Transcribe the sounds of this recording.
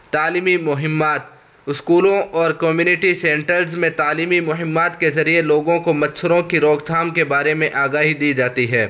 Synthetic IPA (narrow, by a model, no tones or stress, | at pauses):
t̪aːliːmimʊɦɪmːaːt̪̚ | ɪskuːlõʔɔːɾkɔmjuːnɪʈisɛ̃ːɳʈəɾzmẽt̪aːliːmimʊɦɪmːaːt̪kezɐɾieloːɡõkomɐt̪sʰʊɾõkiɾɔːɡt̪ʰaːmkebaːɾemẽʔaːɡaːɦid̪iːd͡ʒaːt̪iɦɛː